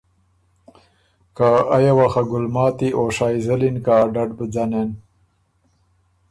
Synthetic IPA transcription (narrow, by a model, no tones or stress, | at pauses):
kaajawaxaɡʊlmɑːt̪iʔoʂaːjzəlinkaːɖaɖbəd͡zanen